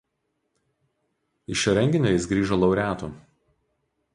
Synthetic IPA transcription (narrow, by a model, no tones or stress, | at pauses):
ɪʃʲɛɾʲɛŋʲɡʲɪnʲoːjɪs̬ɡɾʲiːʒɐlˠɐʊɾʲæːt̪ṵ